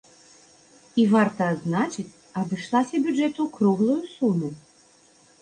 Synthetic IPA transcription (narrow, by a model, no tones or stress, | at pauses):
ivart̪ɐːd̪znat͡ʂɨt͡sʲ | ad̪ɨʂlˠasʲɐbʲud͡ʐɛt̪ukɾuɣlˠujusumu